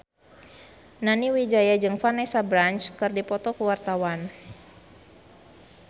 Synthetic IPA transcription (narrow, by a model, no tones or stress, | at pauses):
naniwid͡ʒajad͡ʒɨŋfanɛsabɾant͡ʃkɨrdipɔt̪ɔkuwart̪awan